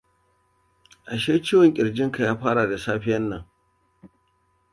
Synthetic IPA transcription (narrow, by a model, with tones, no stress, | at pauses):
ʔa˨ʃeː˦t͡ʃiː˦wɔ˨ŋkʲʼɪ˨ɽd͡ʒɪ˦ŋka˨jaː˦ɸaː˦ɽa˨da˨saː˦ɸɪ˦jɐ˦nːɐ˨ŋ